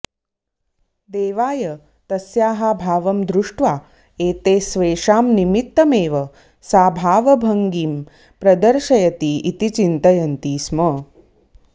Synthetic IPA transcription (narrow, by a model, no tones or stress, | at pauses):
d̪eːʋaːjɐ | t̪ɐsjaːɦabʱaːʋɐmd̪ɾuʂʈʋaː | eːt̪eːsʋeːʃaːmnimit̪ːɐmeːʋɐ | saːbʱaːʋɐbʱɐŋɡiːm | pɾɐd̪ɐɾʃɐjɐt̪iːt̪it͡ʃint̪ɐjɐnt̪iːsmɐ